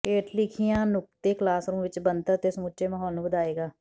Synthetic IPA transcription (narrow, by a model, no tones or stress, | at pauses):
keːʈʰlɪkʰijãːnʊk̚t̪eːklaːsɾũːmʋɪt͡ʃbənt̪ət̪eːsmuːt͡ʃeːmaɦɔːlnũːbəd̪aːeːɡaː